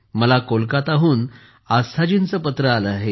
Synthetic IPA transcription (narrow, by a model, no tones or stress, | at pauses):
məlakolkat̪aɦuːn | ast̪ʰad͡ʑint͡səpət̪ɾəaləaɦe